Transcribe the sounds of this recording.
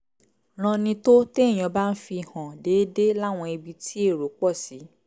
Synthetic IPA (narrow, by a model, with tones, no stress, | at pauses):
ɾ̃ɔ̃˧nĩ˧to˦te˦˨j̃ɔ̃˧ba˦n̩˦fi˧hã˨deː˨˦de˦la˦˨w̃ɔ̃˧e˧bi˧tʰi˦e˦˨ɾo˨˦k͡pɔ˦˨si˨˦